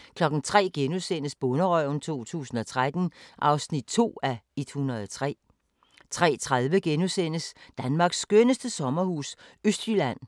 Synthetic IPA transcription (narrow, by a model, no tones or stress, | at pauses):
kʰlɒ̽ɡ̥n̩t͡sʰʁɛ̰ːɡ̥enusen̰əsb̥ɔ̽nəʁœʊ̰n̩t͡sʰo̝̰ːt͡sʰṵːsn̩ɒ̽t͡sʰʁad̥n̩ʔɑ̈ʊsnid̥̚t͡sʰo̝̰ːæidhunɐð̞̩ˠɒt͡sʰʁɛ̰ː | t͡sʰʁɛ̰ːt͡sʰʁaðˠʋəɡ̥enusen̰əsd̥ænmɑ̈ːɡ̥sːɡ̥ønəsd̥əsɒ̽mɐhuːsøsd̥jylæn̰